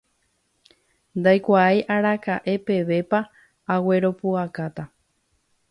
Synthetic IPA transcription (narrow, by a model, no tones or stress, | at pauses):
nd̪ajkʷaajʔaɾakaʔe̞pe̞ʋe̞pa | awe̞ɾo̞puakat̪a